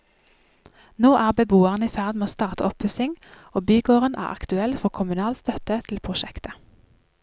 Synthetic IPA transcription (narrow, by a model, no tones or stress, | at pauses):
noːʔæːʁbəbuːəʁəniːfæʁd̪meːoːst̪ɑːʁt̪əɔp̚bʉsɪŋ | oːbyːɡoːʁənʔæ̰ːʁʔɑ̰kt̪ʉɛlfɔʁkʰʊmʉnɑːlst̪œt̪ət̪ʰl̩pʰʁʊʃɛkt̪ə